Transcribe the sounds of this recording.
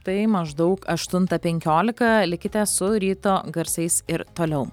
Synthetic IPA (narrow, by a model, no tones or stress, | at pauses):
t̪ɐɪmɐʒd̪ɐʊkɐʃt̪ʊnt̪ɐpʲɛŋʲkʲoːlʲɪkɐlʲɪkʲɪt̪ʲɛsʊɾʲiːt̪oːɡɐɾsʲɛɪsɪɾt̪oːlʲɛʊ